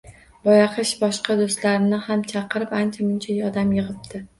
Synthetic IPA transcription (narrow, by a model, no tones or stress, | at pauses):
bɒjɑqʰɨʃbɒʃqɑd̪ost̪laɾɪnɪhamt͡ʃʰɑqʰɨɾɪpant͡ʃʰamʊnt͡ʃʰajɒd̪amjɨʁɨp̚d̪ɪ